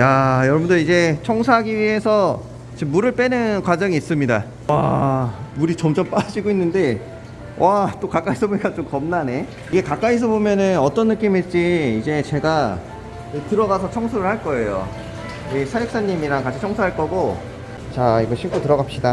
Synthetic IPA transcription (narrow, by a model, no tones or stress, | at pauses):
jajʌɾʌbundɯid͡ʑe̞t͡ɕʰʌŋsʰaɡiɥie̞sʰʌ | t͡ɕemːuɾɯɭp͈e̞nɯnkwad͡ʑʌŋiːs͈ɯmɲida | wa̰ | muɾit͡ɕʌmt͡ɕʌmp͈ad͡ʑiɡoinːɯnde̞ | wat͈okak͈aisʰʌboɲik͈at͡ɕ͈omkʌmnane̞ | iɡe̞kak͈ais̬ʰʌbomjʌnɯnʌt͈ʌnːɯk͈imɦet̚t͡ɕ͈iːd͡ʑe̞t͡ɕe̞ɡa | tɯɾʌɡasʰʌt͡ɕʰʌŋsʰuɾɯɭhaɭk͈ʌe̞jo̰ | esʰajɯk̚s͈aɲːimiɾaŋkat͡ɕʰit͡ɕʰʌŋsʰuɦaɭk͈ʌɡo | t͡ɕaiɡʌɕʰimk͈otɯɾʌɡap̚ɕ͈ida